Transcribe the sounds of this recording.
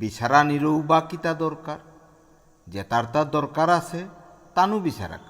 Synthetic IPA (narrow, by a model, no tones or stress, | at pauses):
biʃaɾaniɾowbakit̪ad̪ɔɾkaɾ | d͡ʒet̪aɾt̪ad̪ɔɾkaɾasʰe | t̪anubiʃa̰ɾa̰